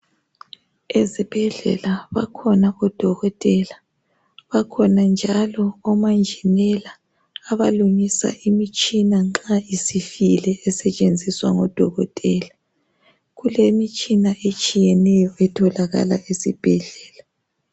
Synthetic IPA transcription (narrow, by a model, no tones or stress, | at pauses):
ezib̥ʱɛɮɛ̰laβakʰɔnaɔd̥ʱɔɣɔtʼɛla | βakʰɔnand͡ʒʱalɔɔmand͡ʒʱinɛlaː | βaluŋisa̰ʔimit͡ʃʼinaŋ͡ǁaisifilɛɛsɛt͡ʃʼend͡zʱiswa̰ŋɔd̥ʱɔɣɔ̰tʼɛla | ɣulemit͡ʃʼinaʔet͡ʃʼijɛnɛjɔɛtʰɔlaɣa̰la̰ʔesib̥ʱɛɮɛːla